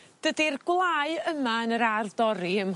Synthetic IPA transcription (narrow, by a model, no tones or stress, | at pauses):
d̥ədirɡwlˠaɨəmaənəɾardɔɾiəm